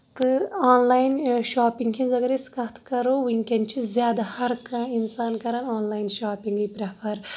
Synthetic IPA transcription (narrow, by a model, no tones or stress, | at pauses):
t̪ɨaːnlaːjinʃaːpiŋɡkʰĩnzɐɡɐɾeskɐt̪kɐɾowiŋkʲɐnt͡ʃʰizʲjaːd̪ɐhɐɾkãinsaːnkɐɾanaːnlaːjnʃaːpiŋɡipɾɐfɐɾ